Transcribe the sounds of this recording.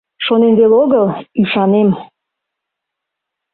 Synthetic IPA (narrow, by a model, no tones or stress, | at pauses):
ʃonenβeloɣəlyʃɑnem